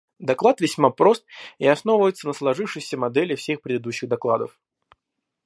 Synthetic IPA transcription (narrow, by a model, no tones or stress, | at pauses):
d̪ɐklˠat̪vʲɪsʲmapɾo̞st̪̚iɐsno̞vvəjɪt̪sənəslˠɐʐɨfʂɨjsʲəmɐd̪ɛlʲɪfsʲe̞xpɾʲɪd̪ɨd̪uɕːɪɣd̪ɐklˠad̪ə̰f